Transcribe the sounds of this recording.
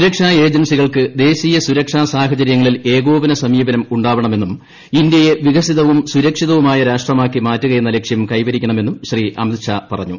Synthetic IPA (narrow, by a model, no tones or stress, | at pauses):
suɾɐkʂaːe̞ːd͡ʑɐnsiɣɐɭkɨd̪e̞ːɕijɐsuɾɐkʂaːsaːɦɐt͡ɕɐɾjɐŋːɐɭile̞ːɣo̞ːʋinɐsɐmiːbɐnɐmuɳɖaːʋɐɳɐme̞nːum | ind̪jɐje̞ʋiɣɐsiðɐʋumsuɾɐkʂiðɐʋumaːjɐɾaːʂʈrɐmaːkːimaːtːuɣɐje̞nːɐlekʂjɐmkɐjʋɐɾikʲːɐɳɐme̞nːumɕriʔɐ̰md̪ɕaːpɐrɐ̰ɲːṵ